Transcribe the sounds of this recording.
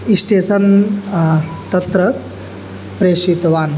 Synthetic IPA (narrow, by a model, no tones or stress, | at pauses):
isʈeːsɐn | t̪ɐt̪ɾə | pɾeːsit̪ʋaːn